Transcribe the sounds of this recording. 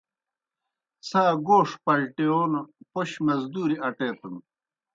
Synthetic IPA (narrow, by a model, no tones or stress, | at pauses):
saːɡoːʂpɐlʈioːnopoɕmɐzd̪uːɾiɐʈeːt̪ɐm